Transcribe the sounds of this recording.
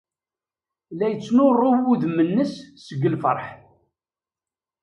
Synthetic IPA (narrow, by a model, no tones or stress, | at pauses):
læjət͡sːnʊrˤːʊwuðmənːəssəɡːəlfə̰ɾˤħ